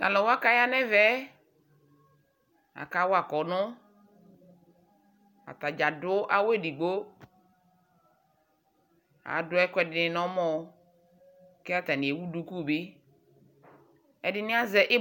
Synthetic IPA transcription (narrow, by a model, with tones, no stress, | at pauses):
ka̰˨lɔ˨wa˦ka˦ja˦nɛ˦vɛ˦ | a̰˨ka˦wa˨kɔ˨nʊ˦ | a̰˨ta˨d͡ʒa˨dʊ˦ʔa˨we˦di˨ɡ͡bo˦ | a̰˨dʊ˦ɛ˦kʷɛ˦dɪ˨nɪ˨nɔ˦mɔ˦˨ | kɛ˦a˦ta˨nɪ̃˨e˨wu˦du˦ku˦˨bi˦ | ɛ˨dɪ˦nɪ˦a˦zɛ˦ʔɪ˦